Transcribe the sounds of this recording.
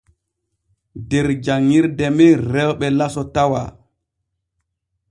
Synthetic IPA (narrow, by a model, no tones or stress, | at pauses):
dɛɾd͡ʒaŋːiɾdɛmɛɾɛwɓɛlasɔtawa̰